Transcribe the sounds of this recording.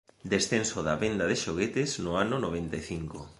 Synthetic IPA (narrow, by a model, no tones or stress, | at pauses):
d̪esθensoðɐβend̪aðɪʃoɣet̪ɪznʊanʊnoβ̞ent̪eθiŋkʊ